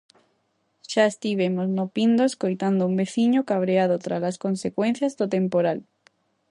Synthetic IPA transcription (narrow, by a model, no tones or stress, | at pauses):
ʃaest̪iβ̞emoznopind̪oeskojt̪and̪oʊumbeθiɲokaβ̞ɾeaðot̪ɾalaskonsekwẽn̟θjazðot̪empoɾal